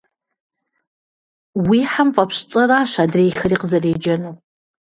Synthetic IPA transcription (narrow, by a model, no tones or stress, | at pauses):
wiːħamfʼɐpɕt͡sʼɐraːʃaːdreːxɐriːqəzɐreːd͡ʒɐnɨ